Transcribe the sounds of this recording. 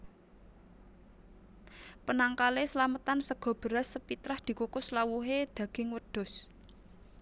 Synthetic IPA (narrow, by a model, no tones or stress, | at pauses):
pənaŋkalesəlamət̪ansəɡ̥ɔ̤b̥ə̤ɾasːəpit̪ɾahd̪̥i̤kukʊslawuɦed̪̥ä̤ɡ̥ɪŋwəɖ̪̥ʊ̤s